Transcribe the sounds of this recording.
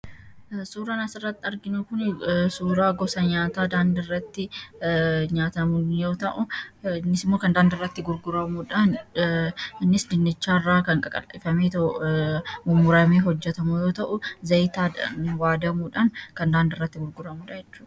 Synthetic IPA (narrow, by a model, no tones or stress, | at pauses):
suːɾaːnɐsɪrːɐt̪ːɪɐɾɡɪnukʊnsuːɾaːɡɔsɐɲaːt̪aːd̪aːnd̪ɪrːɐt̪ːɪ | ɲaːt̪ɐmʊnjo̞ːt̪ɐʔʊnːɪsɪmːoːkɐnd̪aːnd̪ɪrːɐt̪ːɪɡʊɾɡʊɾɐmuᶑɐn | ɪnːɪsd̪ɪnːɪt͡ʃːaːrːaːkɐŋkʼɐkʼɐ̰lɪfɐmeːt̪ | mʊmːʊɾɐmeːɦɔd͡ʒːɛt̪ɐmujo̞ːt̪ɐʔʊzɐjt̪aːɐ̰nwaːd̪ɐmuːᶑɐnkɐnd̪aːnd̪ɐɪrːɐt̪ːɪɡʊɾɡʊɾɐmuːᶑɐjɛt͡ʃːuːᶑɐ̥